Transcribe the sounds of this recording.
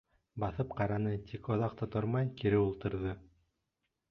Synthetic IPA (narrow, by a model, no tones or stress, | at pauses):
bɑθɤpqɑɾɑnɤt̪ʰikŏðɑq̚t̪ɑt̪oɾmɑjkiɾɘulˠt̪ɤ̆ɾðɤ